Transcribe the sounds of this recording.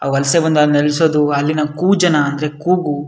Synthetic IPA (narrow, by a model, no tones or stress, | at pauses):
aːʋɐlɐsebɐnd̪aːnelusoːd̪uɐlːinɐkuːd͡ʒɐnɐːnd̪ɐɾekuːɡu